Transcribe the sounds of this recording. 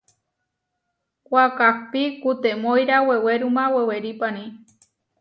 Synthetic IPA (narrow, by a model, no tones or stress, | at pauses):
kʷakak̚pikut̪emojɾaweweɾumãweweɾipanĩ